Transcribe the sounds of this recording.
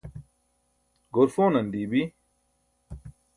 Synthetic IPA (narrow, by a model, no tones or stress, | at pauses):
ɡoɾfoːnɐnd̪iːbi